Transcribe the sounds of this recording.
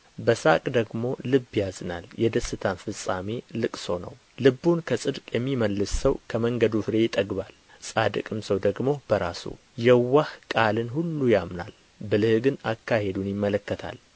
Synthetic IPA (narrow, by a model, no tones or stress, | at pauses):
bəsakʼd̪əɡmo̞lɨbːjazɨna̰ljɛd̪əsːɨt̪ʰanfɨsʼame̞lɨkʼso̞nə̰w | lɨbːunkʰəsʼɨd̪kʼjɛmːiməlːɨsːəwkʰəməŋɡəd̪ufɨɾe̞jɪt̪ʼəɡbal | sʼad̪ɨkʼɨmsəwd̪əɡmo̞b̥əɾasṵ | jɛwːahkʼalɨnɦulːujamna̰l | bɨlɨhɡɨnakːahe̞d̪unjɪmːələkːət̪ʰa̰l